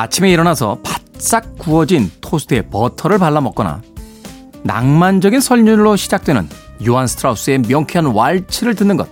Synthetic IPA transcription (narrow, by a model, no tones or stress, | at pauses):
at͡ɕʰime̞iɾʌnasʰʌpat̚s͈ak̚k͈uʌd͡ʑintʰosʰtʰe̞pʌtʰʌɾɯɭpaɭːamʌk͈̚ʌna̰ | na̰ŋmand͡ʑʌɡinsʰʌʎɲunɭoɕʰid͡ʑak̚t͈we̞nɯ̰njoɦansʰtʰɾaus͈ɯe̞mjʌŋkʰjʌnwaɭt͡ɕʰiɾɯɭtɯnːɯnɡʌt̚